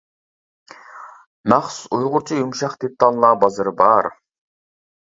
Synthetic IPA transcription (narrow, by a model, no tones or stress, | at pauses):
nɑχsujʁʊɾt͡ʃʰijumʃɑχt̪ʰit̪ʰːɑnlˠɑːbɑzɨɾbɑɾ